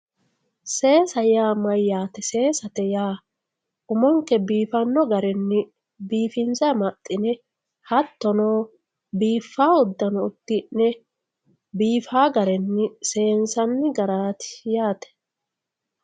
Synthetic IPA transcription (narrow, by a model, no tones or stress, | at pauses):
se̞ːsɐjaːmɐjːaːt̪ɛse̞ːsɐt̪ɛjaː | ʔʊmɔŋkɛbiːfɐnːɔɡɐɾɛnːɪ | biːfɪnzɐmɐt̪ʼːɪnɛ | hɐt̪ːɔnoː | biːfːaːʊd̪ːɐnɔʊt̪ːɪnːɛ | biːfaːɡɐɾɛnːɪse̞ːnsɐnːɪɡɐɾaːt̪ɪ̥jaːt̪ɛ̥